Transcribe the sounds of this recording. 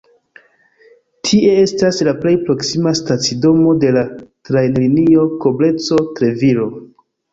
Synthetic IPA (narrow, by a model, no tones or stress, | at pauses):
tʰiʔe̞e̞staslaple̞jpɾo̞ksimastat͡sido̞mo̞de̞latɾajnlinio̞ko̞ble̞t͡so̞tɾe̞vilo̞